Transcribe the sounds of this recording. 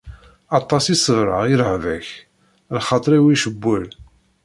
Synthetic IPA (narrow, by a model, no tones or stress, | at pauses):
ɑt̪ˤːɑsisəvɾˤɑ̰jɾʕvæç | lχɑt̪ˤɾˤiwiʃəbːʊl